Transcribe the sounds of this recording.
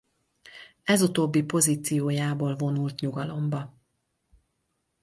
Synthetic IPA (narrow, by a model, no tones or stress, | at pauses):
ɛzut̪oːbːipo̞ziːt̪sijoːjaːboːlvo̞nult̪ɲuɡɒlo̞mbɒ